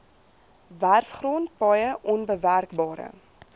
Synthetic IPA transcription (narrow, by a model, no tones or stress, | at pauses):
værfχrɔːnt̚bɐjəʔɔnbəværkbɑːɾə̰